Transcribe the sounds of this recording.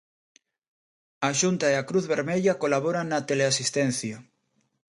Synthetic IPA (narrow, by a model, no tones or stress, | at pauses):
aʃunt̪aeakɾuθβeɾmeʎakolaβ̞oɾaŋnɐt̪eleasist̪ɛn̟θja